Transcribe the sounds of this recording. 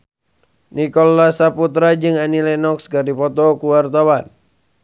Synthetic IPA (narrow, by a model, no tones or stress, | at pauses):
nikɔlːasaput̪ɾad͡ʒɨŋanilɛnɔkskadipɔt̪ɔkuwart̪awan